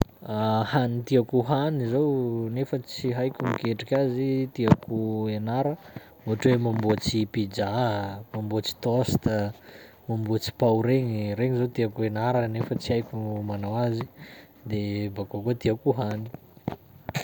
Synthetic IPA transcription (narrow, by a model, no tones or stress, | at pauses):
ahanit̪iakuɦanizownefət͡siɦajkʲumikeʈ͡ʂikʲazit̪iakuenaɾə | muʈ͡ʂwemambot͡sipid͡ʒamambot͡si̥t̪ɔst̪ə | mambuat͡si̥pawɾeɲireŋizowt̪iakuenaɾənefət͡siajkʲumanawazi | d̪ebakokut̪iakuɦani̥